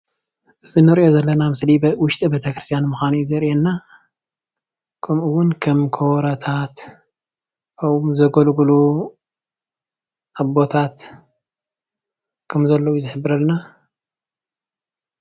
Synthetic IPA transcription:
ʔɨzinɨɾiʔjo̞zɐlːɐnamɨsliwʊʃt̪ʼibet̪ʰɐkɾɨst̪ʰjanmɨxanujuzɐɾjɛnːa | kʰɐmʔuwːʊnkʰɐmkʰowɾɐt̪ʰat̪ | ɐwmzɐɡɐlɡulu | ʔaβbo̞t̪ʰat̪ | kʰɐmzɐlːɐwuzɨħɨbːɨɾɐlna

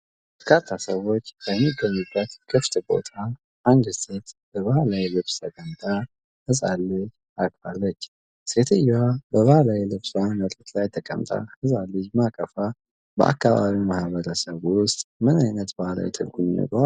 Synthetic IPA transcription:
bbəɾkʰat̪ʰːasəwo̞t͡ʃːbəjmːiɡəɲːubːət̪kʰɨft̪ʼbo̞̰t̪ʰa | ʔand̪se̞t̪bəβahalawilɨβst̪ʰəkʼəmt̪ʼa | hɨsʼalːɨd͡ʒ | akʼfalːət͡ʃː | se̞t̪ʰɨjwabəβəhalawilɨβsnət̪ʼɨt̪lajt̪ʰəkʼə̰mt̪ʼa̰hɨzʼalːɨd͡ʒmakʼəfa | bə̰ʔa̰kːaβa̰βimahβəɾəsəβwʊst̪ʼmɨnajnət̪bahala̰jt̪ʰəlɡunːə̰ɡʼwa

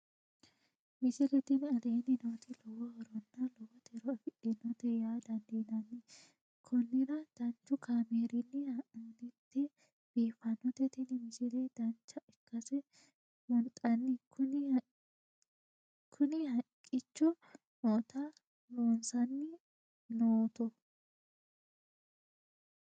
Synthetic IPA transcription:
mɪt͡ʃɪlɛt̪ɪnɐleːnɪnot̪ɪlɔwɔhɔɾɔnːɐlɔwɔt̪ɛɾɔɐfɪᶑɪnɔt̪ɛjaːd̪ɐnd̪enɐnːɪ | kʰɔnːɪɾɐd̪̥ɐnt͡ʃːʊkʰaːmeːɾɪnːɪɐnɪt̪ːɛ | b̥eːfɐnɔt̪ɛt̪ɪnɪmɪt͡ʃɪleːd̪̥ɐnt͡ʃːɐɛkːɐsɛ | wɔnt̪ʼɐnːɪkʰʊnɪ | kʰʊnɪhɐŋkʼːɪt͡ʃːʊ | noːt̪a | noːnsɐnːɪ | noːt̪ɔ

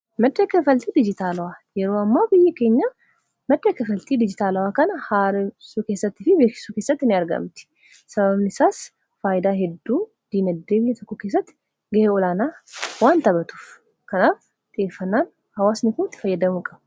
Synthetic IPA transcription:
mɐd̪ːɐkːɐfɐlt̪iːd̪ɪd͡ʒɪt̪aːlɐwaːjɛɾoːɐmːaːbɪjːɐke̞ːɲːa | mɐd̪ːɐkːɐfɐlt̪iːd̪ɪd͡ʒɪt̪aːlɐwaːkɐnɐhaːɾɛsuːke̞ːsːɐt̪ːɪfɪbeːkɪ̥suːke̞ːsːɐt̪ːɪnɪɐɾɡɐ̰mt̪ɪ̥ | sɐbɐβnɪsaːs | faːjɪd̪aːɦɛd̪ːuː | d̪̥inɐd̪ːeːbɪjːɐt̪ʰɔkːɔkeːs̬ːɐt̪ːɪ̥ | ɡɐheɔlaːnaːwaːnt̪ɐbɐt̪u̥f | kɐnaːf | t̪ʼɪeːfːɐnːaːn | hɐwaːsnɪkunt̪ːɪ̥fɐjːɐd̪ɐmukʼɐb

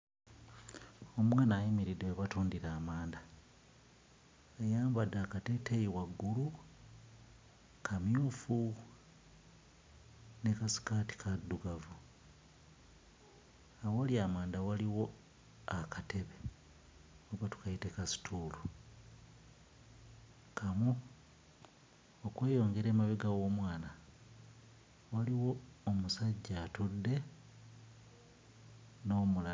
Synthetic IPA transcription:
o̞mwaːnaːjimiɾidewβatuːndiɾaːmaːnda | ejaːmbadakatetejiwaɡːulu | kʰamjuːfu | ne̞kasi̥kaːti̥kʰadːuɡavu | awaliamaːnd̪awaliwo̞ | akate̞βe | oβatu̥kaitekasi̥tʰuːlu | kʰamu | okwe̞ːjo̞ːŋɡe̞ɾeːmaβiɡaɣo̞ːmwaːna | waliwo̞ːmusaɟːatudːe̞ | no̞ːmula

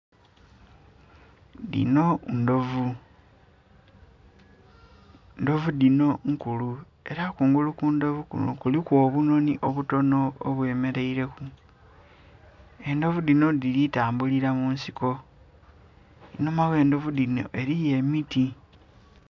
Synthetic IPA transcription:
dḭno̞ndovu | ndo̞vudino̞ŋkulu | e̞ɾakuːŋɡulukundo̞vukṵno̰kulikwo̞βuno̞niʔoβuto̞no̞oβwe̞ːme̞ɾe̞iɾe̞ku | e̞ndo̞vudino̞dilitaːmbuliɾamuːnsiko̞ | inomaɣe̞ːndo̞vudino̞̰ʔe̞ɾije̞miti

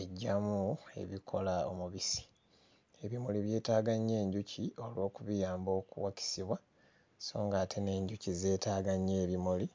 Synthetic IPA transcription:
eɟːamue̞̰βikʰo̞lao̰muβisi̥ | e̞βimoliβje̞ːtaːɡaɲːe̞ːɲɟucʰio̞lwo̞ːkuβijaːmbo̞ːkṵwaci̥siβwa | so̞ːŋɡaːtʰe̞ne̞ːɲɟucize̞ːtaːɡaɲːeːβimoli

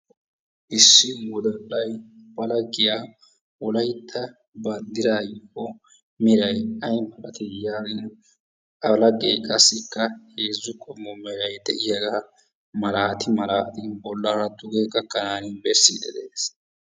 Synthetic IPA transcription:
ʔɪsːɪwɔd̪ɔlːɐjbɐlɐɡɪjaː | wɔlɐjt̪ʰːɐ | bɐnd̪ɪɾaːjʊhɔ | mɪɾɐjɐjmɐlɐt̪ɛjaːɡɪn | ɐlɐɡejkʼɐsːɪkːɐheːzːʊkʼɔmːɔmɪɾɐjd̪ɛ̰ʔɪjɐɡɐ | mɐɾaːt̪ɪmɐɾaːt̪ɪbɔlːɐɾɐd̪ʊɡeːɡɐkːɐnaːnɪbɛsːid̪ɛd̪eːs

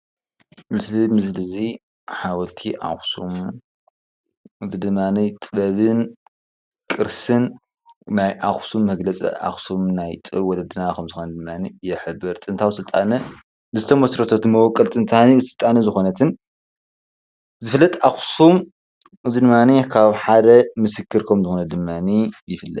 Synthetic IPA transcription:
mɨslimɨslɨzi | ħawɐlt̪ʰiʔa̰xsum | ɨzid̪ɨmːanit̪ʼɨɐβɨn | kʼɨɾsɨn | najʔaxsumːɐɡlɐt͡sʼḭʔa̰xsumnajt̪ʼɨβwɔlɐd̪ɨnakʰɐmzɨxond̪ɨmːanijɛħɨbːɨɾt̪ʼɨnt̪ʰawsɨlt̪ʼanɐ | lɨzɨt̪ʰɐmɐsɾɐt̪ʰot̪mɐwɔkʼːɐlt̪ʼɨnt̪ʰanisɨlt̪ʼanɐzɨxonɐt̪ʰɨn | zɨfɨlːɐt̪ʼaxsum | ʔɨzid̪ɨmːanikʰaβħad̪ɐmɨsɨkʰːɨɾkʰomzɨxonɐd̪ɨmːanijɪfɨlːɐ̰t̪̚

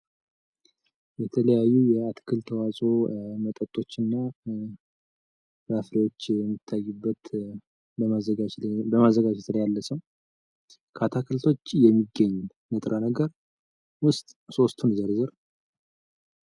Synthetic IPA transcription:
jɛt̪ʰələjajːujɛat̪ʰkʰɨlt̪ʰəwazʼo̞mət̪ʼət̪ʼo̞t͡ʃːɨnːaw | bafɾewo̞t͡ʃːjɛmːɨt̪ʰːajːubːət̪ | əaəabəmazːəɡad͡ʒɛt̪ʰljalːəsəw | kʰat̪ʰakʰəlt̪ʰo̞t͡ʃːjɛmːiɡːəɲː | nət̪ʼɾʔanəɡəɾ | wʊst̪ʼso̞st̪ʰunzəɾzəɾ

